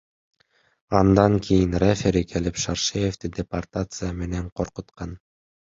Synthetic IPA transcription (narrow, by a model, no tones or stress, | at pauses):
ɑnd̪ɑŋkʲʰijinrefʲeɾikʰelipʃɑrʃɨjevd̪ɪd̪ʲepart̪at̪sɨjame̞neɴqʰoɾqot̪qɑn